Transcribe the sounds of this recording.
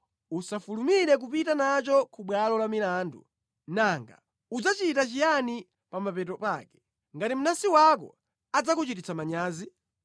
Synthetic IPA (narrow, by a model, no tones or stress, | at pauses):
usafulumiɾɛk̬upitanat͡ʃɔkʰuɓwalɔlamilaːndṵ | naŋɡa̰ | ud͡zat͡ʃitat͡ʃijani | pamapɛtɔpakɛ̥ | ŋɡatim̩nasiwakɔ̰ | ad͡zakut͡ʃitit͡samaɲaːzi